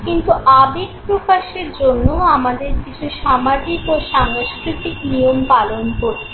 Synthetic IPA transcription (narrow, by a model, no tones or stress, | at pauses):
kint̪uʔabiɡpɾokaʃeɾd͡ʑonːoamad̪eɾkit͡ɕʰuʃamad͡ʑikoʃaŋskɾit̪ikniompalonkoɾe